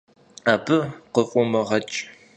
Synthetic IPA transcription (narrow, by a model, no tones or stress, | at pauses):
aːbɨqəfʼʊmɐʁɐt͡ʃʼ